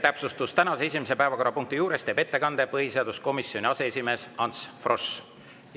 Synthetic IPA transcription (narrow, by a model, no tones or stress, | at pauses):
t̪æpsust̪ust̪ænɑse̞es̬ʲimese̞pæevɑko̞ɾɑpuŋk̚t̪ijuːɾe̞st̪eb̥e̞t̪ːe̞kɑnd̪̥epɤɦiseɑd̪̥usko̞misːjo̞nʲiɑse̞esʲime̞ːsɑnsfro̞s